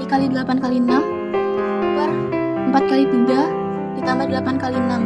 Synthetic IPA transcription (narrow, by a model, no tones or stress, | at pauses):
ikalidəlapankalinam | bar | əmpat̪̚kalit̪iɡa | dit̪ambadəlapankalinam